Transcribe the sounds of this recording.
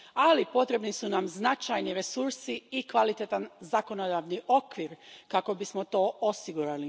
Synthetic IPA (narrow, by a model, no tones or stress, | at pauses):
alipo̞t̪ɾe̞bnisunamznat͡ʃajniɾesuɾsiikʋalit̪et̪anzako̞nod̪aʋniʔo̞kʋiːɾkako̞bismo̞t̪o̞ːosiɡuɾali